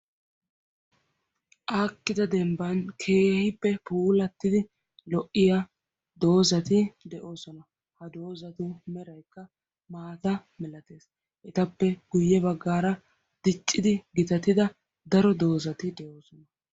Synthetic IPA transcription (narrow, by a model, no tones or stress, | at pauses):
ʔaːkːɪd̪ɐd̪ɛmbɐnkʰe̞ːhɪpːɛpuːlɐt̪ːɪd̪ɪ | lɔʔːɪja | d̪o̞ːzɐt̪ɪd̪ɛʔo̞ːsɔnɐ | hɐd̪o̞ːzɐt̪ʊmɛɾɐjkːɐ | maːt̪ɐmɛlɐt̪e̞ːs | ʔɛt̪ɐpːɛɡʊjːɛbɐɡːaːɾɐ | d̪̥ɪt͡ʃʼːɪd̪ɪɡɪt̪ɐt̪ɪd̪ɐ | d̪ɐɾɔd̪o̞ːzɐt̪ɪd̪ɛʔo̞ːsɔnɐ